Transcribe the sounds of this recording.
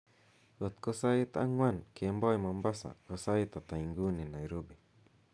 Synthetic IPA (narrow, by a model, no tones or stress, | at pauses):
ot̪̚kosait̪aa̰ŋwankembɔjmambasa̰kosait̪at̪aiŋɡuninajɾobi